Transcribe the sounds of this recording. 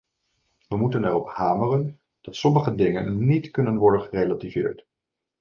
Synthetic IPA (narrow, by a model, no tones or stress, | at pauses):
ʋəmutənɛrɔphaːmərən | d̥ɑtsɔməχədɪŋə̰nːitkɵnənʋɔɹdənχərejlativɪ̰ːɹt